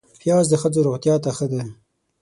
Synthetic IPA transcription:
pjɑːzd̪əxəzoɾoɣt̪jɑt̪axəd̪e

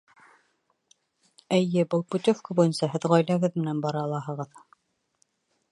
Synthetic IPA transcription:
ɘ̆jːɘbɤlˠput̪ʲofkɑbujɤnsɑɦɘðʁɑjlæɡɘðmɘ̆nænbɑɾɑlˠɑɦɤ̆ʁɤð

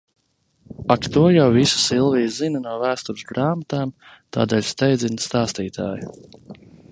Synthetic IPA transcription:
akt̪uɔjawvisu̥silˠviːzzinɐnuɔvæːst̪uɾsɡɾaːmat̪aːm | t̪a̰ːd̪ɛːlʲst̪ɛjd̪zinst̪aːst̪iːt̪a̰ːju

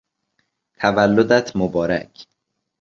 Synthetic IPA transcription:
t̪ʰævælːod̪æt̪ʰmobɒːɾæ̰cʰ

